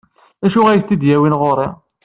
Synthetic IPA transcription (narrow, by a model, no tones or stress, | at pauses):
æʃuʁæjθt̪ːid̪jæwinʁoɾˤi